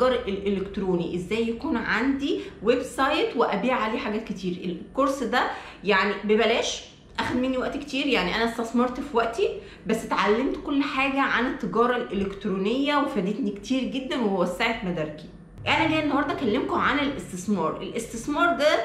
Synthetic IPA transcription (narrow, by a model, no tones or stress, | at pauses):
ɡɑːɾˤelʔelʔelekt̪ɾoːniʔezːæːjːækuːnʕand̪iwebsɑjt̪weʔæbiːʕaleːħaɡæːt̪̚ket̪ʰiːɾekoɾsd̪æ | jaʕnibebælæːʃ | ʔæxæd̪menːiwæʔt̪ke̥t̪iːɾjaʕniʔænæst̪ɑsmɑɾˤt̪fiwæʔt̪i | bæsːt̪ʕalːemt̪kolːħaːɡæʕanet̪ːeɡɑːɾˤɑlʔelekt̪ɾoːnejːæwefæd̪et̪nikt̪ʰiːɾɡed̪ːænweewæsːaʕet̪mæd̪æɾki̥ | ʔænæleːenːohɑɾd̪ˤɑkælːemkoʕanelʔest̪esmɑːɾˤʔelʔest̪esmɑːɾˤd̪æ